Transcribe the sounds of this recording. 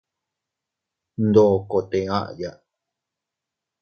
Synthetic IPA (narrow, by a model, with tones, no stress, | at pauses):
nd̪o˨ko˨t̪ẽ˨ã̰˦ʔja˨ʔ